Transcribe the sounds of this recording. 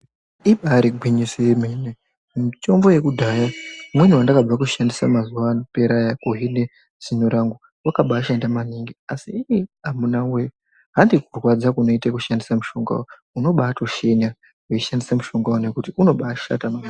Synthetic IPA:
iɓaɾiɡʱwiɲiseemene | mumto̞mbo̞je̞kudʱajamweɲuwandakab͡vakuʃandisamazuʋanpe̞ɾajakoɦine | z̥inoɾaŋɡu | wakaɓaːʃandamaniŋɡiasiːjiɦamunawe | ɦandikurwad͡zakuno̞itekuʃandisamuʃo̞ŋɡa̰wo | uno̞ɓaːto̞ʃe̞ɲa | eiʃandisamuʃo̞ŋɡawone̞kutiuno̞ɓaːʃa̰tama

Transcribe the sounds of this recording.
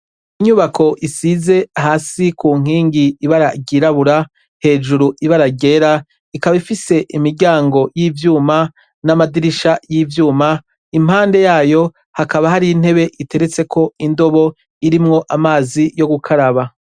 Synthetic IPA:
iɲuβakʰo̞ʔisize̞haːsikuːŋ̥iːŋɡiːβaɾaɟiɾaβuɾa | he̞ːd͡ʒuɾuʔiβaɾaɟe̞ːɾa | ikaβaifise̞ʔimiɟaːŋɡo̞jivjuːma | namadiɾiʃajiːvjuːma | im̥haːnde̞jaːjo̞ | hakaβahaɾiːn̥he̞βe̞ʔite̞ɾet͡se̞kʰo̞indo̞βo̞ | iɾimŋo̞ʔamaːzijo̞ɡukʰaɾaβa

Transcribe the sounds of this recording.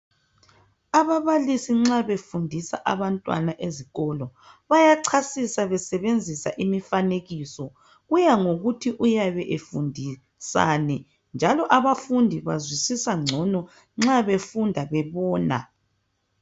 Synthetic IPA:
aβaβalisiŋ͡ǁaβefundʱisa̰ʔa̰βantʼwa̰naʔeziɣɔlɔ | βajaǀʰasisaβɛsɛβend͡zʱisa̰ʔimifaneɣiːsɔ | ɣujaŋoɣutʰiʔujaβɛʔefundʱi | sa̰ːnɛ | nd͡ʒʱalɔʔaβafundʱiβazwisisaŋ͡ǀʱɔnɔ | ŋ͡ǁaβefundʱaβɛβɔːna̰

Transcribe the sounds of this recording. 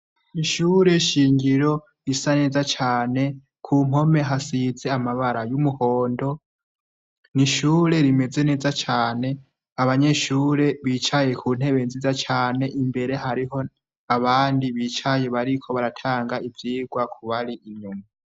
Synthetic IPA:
iʃuːɾe̞ʃiːŋɡiɾo̞ | isane̞ːzat͡ʃaːne̞ | kʰuːm̥ho̞me̞ɦasize̞amaβaɾajumuho̞ːndo̞ | niʃuːɾe̞ɾime̞ze̞ne̞ːzat͡ʃaːne̞ | aβaɲe̞ʃuːɾe̞βiːt͡ʃaje̞kʰuːn̥e̞βe̞nzizat͡ʃaːne̞ʔimbe̞ɾe̞ɦaɾiɦo̞ | aβaːndiβiːt͡ʃaje̞βaɾikʰo̞βaɾatʰaːŋɡaivjiːɡwakʰuβaɾiʔiɲɲuma

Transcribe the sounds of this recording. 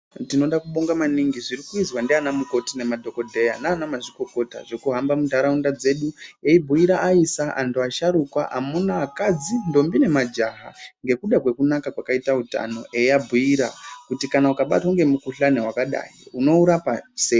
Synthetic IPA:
tino̞ɗakuɓoŋɡamaniŋɡiʐiɾikuizwandeanamuko̞tine̞madʱo̞ko̞dʱe̞janaːnamaʐiko̞ko̞ta̰ʐokuɦambamudʱaɾaundad͡ze̞ɗueibʱuiɾaʔaisaʔa̰ntuaʃaɾukwaʔamunaːkad͡zindo̞mbine̞mad͡ʒaɦaŋɡe̞kuɗakwe̞kunakakwakaitauta̰no̞̰ʔe̞iabʱuiɾakutikanaukaɓa̰twoŋɡe̞mukuɬanewakaɗa̰ːjiuno̞uɾapasei

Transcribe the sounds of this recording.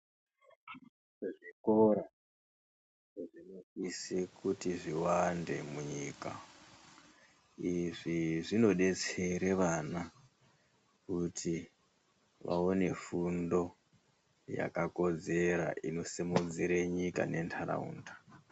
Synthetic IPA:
eʐikoɾa | ʐinokisekutiʐiwande̞muɲiːka̰ | iʐiʐino̞ɗe̞t͡seɾeʋana | kutʰi | ʋa̰o̞ne̞fundo̞ | ja̰kako̞d͡ze̞ɾa̰ʔino̞semud͡ziɾeɲika̰ne̞ntʰaɾa̰ṵːndḁ

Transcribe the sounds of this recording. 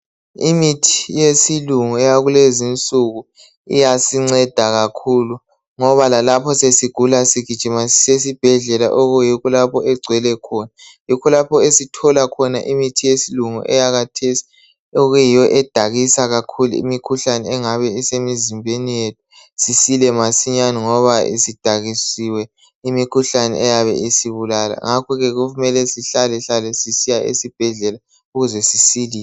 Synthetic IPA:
imitʰijesiluŋuɛjaɣulezint͡sʼuɣu | ḭjasiŋ͡ǀɛd̥ʱaɣakʰulu | ŋɔβalalapʰɔsesiɡ̥ʱulasiɡ̥ʱi̥t͡ʃʼimasisesib̥ʱɛɮɛla̰ʔɔɣujikɔlapʰɔɛɡ͡ǀʱwɛlɛkʰɔnajikʰɔlapʰɔesitʰɔlakʰɔnaʔimitʰijesiluŋṵʔɛjaɣatʰesi̥ | oɣujijɔʔɛd̥ʱaɣisaɣakʰulṵḭmikʰuɬanɛɛŋaβɛisemizimbʱenijetʰu̥ | sisilɛmasiɲaniŋɔβaḭsid̥ʱaɣisiwɛ | imikʰuɬanɛ̰ʔɛjaβɛ̰ʔisiβulala̰ŋakʰɔɣɛɣuumɛlɛsiɬalɛɬalɛsisijaʔḛsib̥ʱɛɮɛla | uɣuzɛsisiliːɛ

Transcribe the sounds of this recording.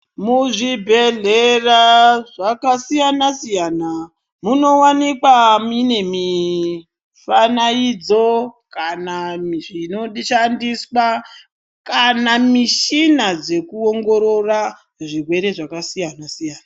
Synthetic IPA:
muʐibʱe̞ɮeraʐakasijanasijaːna | muno̞wanikwamine̞mi | fanaid͡zokanaiʐino̞ʃandiswa | kanamiʃinad͡ze̞kuoŋɡo̞ɾo̞ra | ʐirwe̞ɾe̞ʐakasijanasijaːna

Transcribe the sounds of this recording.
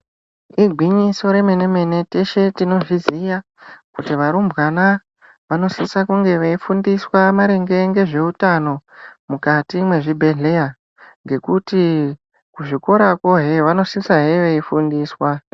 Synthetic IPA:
iɡʱwiɲiso̞ɾe̞me̞ne̞me̞ne̞teʃe̞tino̞ʐizija | kutiʋaɾumbwana | ʋano̞sisakuŋɡe̞ʋeifundiswamaɾeŋɡe̞ŋɡe̞ʐe̞utano̞mukatimwe̞ʐibʱe̞ɮe̞ja | ŋɡe̞kuti | kuʐiko̞ɾakwo̞ɦeʋano̞sisaɦeʋeifundiːswa

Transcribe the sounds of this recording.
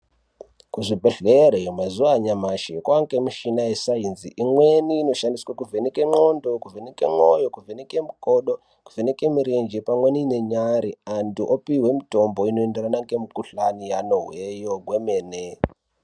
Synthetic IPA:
kuʐibʱeɬeɾejomazuwaɲamaʃikwaŋkemiʃinajesainziʔimweniːno̞ʃandiswakuvʱenikeŋ͡ǃondokuvʱenikḛŋ͡ǃojokuvʱenikemukʼoɗo | kuvʱenikemiɾend͡ʒepamwenine̞ɲaɾiantuʔopiwe̞mito̞mbo̞inoenderanaŋɡemikuɬanijanoɦwejoɡwemeːne

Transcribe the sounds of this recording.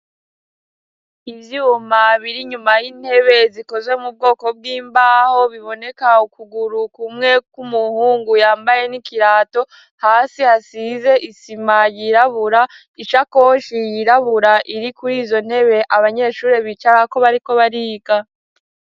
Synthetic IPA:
ivjuːmaβiɾiɲumajin̥he̞βe̞ziko̞zwe̞mub̚ɡo̞ːko̞b̚ɡiːmbaːho̞βiβo̞ne̞kaukuɡuɾukumŋe̞kumuhuːŋɡujaːmbaje̞nikiɾaːto̞ | haːsihasize̞ʔisimajiɾaβuɾa | iʃako̞ʃijiɾaβuɾaʔiɾikuɾiːzo̞n̥he̞βe̞ʔaβaɲe̞ːʃuːɾeβit͡ʃaɾako̞βaɾiko̞βaɾiːɡa

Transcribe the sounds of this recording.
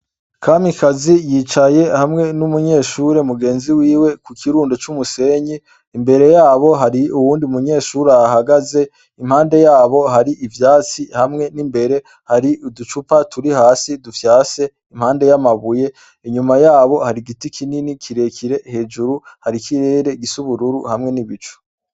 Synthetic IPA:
kʰamikʰazijiːt͡ʃaje̞hamŋe̞numuɲe̞ːʃuɾe̞muɡe̞ːnziwiːwe̞kukʰiɾuːndot͡ʃumuse̞ɲiː | mbe̞ɾe̞jaːβo̞ɦaɾiuwuːndiumuɲe̞ːʃuɾeaɦaɡaze̞ | im̥haːnde̞jaːβo̞ɦaɾiʔivjaːt͡sihamŋe̞nimbe̞ɾe̞ | haɾiʔudut͡ʃupatuɾihaːsidufjaːse̞ | imhaːnde̞jamaβuje̞ | iɲumajaːβo̞haɾiɡitikʰininikʰiɾe̞kʰiɾe̞he̞ːd͡ʒuɾuhaɾikʰiɾe̞ːɾe̞ɡisuβuɾuɾuhamŋe̞niβit͡ʃu̥

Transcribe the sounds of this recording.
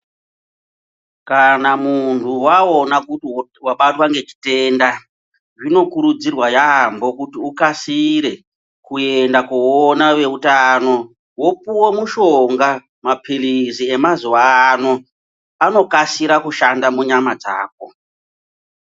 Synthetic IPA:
kanamuntʰuwao̞nakutiwaɓatwaŋɡe̞t͡ʃi̥te̞nda | ʐino̞kuɾud͡zirwajambo̞kutiukasiɾe̞ | kue̞ndakuonaʋe̞utano̞ | wo̞puwomuʃo̞ŋɡa | mapilizie̞mazuwano̞ | ano̞kasiɾakuʃandamuɲamad͡za̰ːko̞

